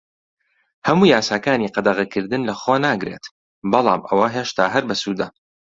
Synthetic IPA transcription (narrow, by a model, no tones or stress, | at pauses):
hɐmuːjaːsaːkaːniqɑd̪ɐɣɐkʰɨɾd̪ɨnlɐχoːnaːɡɾḛːt̪ | bɑlˠɑ̰ːmʔɐ̰wɐɦeːʃt̪ʰaːɦɐɾbɐsuːd̪ɐ